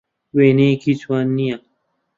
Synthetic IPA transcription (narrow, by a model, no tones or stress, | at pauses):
weːneːkʰit͡sʰwaːnːija